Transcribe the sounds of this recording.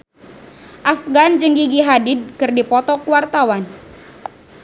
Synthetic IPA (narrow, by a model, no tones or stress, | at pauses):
ʔafɡand͡ʒəŋɡiɡiɦadid̚kɨrdipɔt̪ɔkuwart̪awan